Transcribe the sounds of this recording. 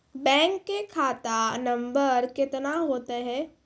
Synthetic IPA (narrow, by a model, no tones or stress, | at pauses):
bɛ̃ːŋkːekʰaːt̪anɐ̃mbəɾkɪt̪naɦoːt̪eɦɛː